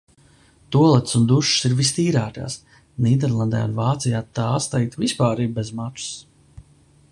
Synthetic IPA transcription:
t̪uɔlˠɛt̪sund̪uʃsiɾvist̪iːɾaːka̰ːs | niːd̪ɛɾlˠand̪ɛ̰ːṵnvaːt̪sijaːt̪aːst̪ɛjk̚t̪vispaːɾiːbbezmat̪u̥s

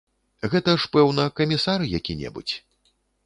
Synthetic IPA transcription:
ɣɛt̪ɐʂpɛwnɐkɐmʲisaɾɨjakʲinʲɛ̰bṵt͡sʲ

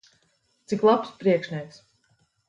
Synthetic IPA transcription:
t̪siklˠapspɾiɛkʃnʲiɛks

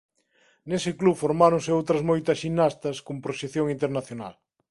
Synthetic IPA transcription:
nesɪklufoɾmaɾoŋsɪowt̪ɾɐzmojt̪ɐsʃinːast̪ɐskompɾoʃeθjoŋint̪eɾnaθjona̰l

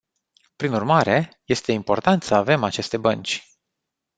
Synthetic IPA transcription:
pɾinurmaɾe̞ | je̞st̪e̞impo̞rt̪ant̪səave̞mat͡ʃe̞st̪e̞bənt͡ʃʲ

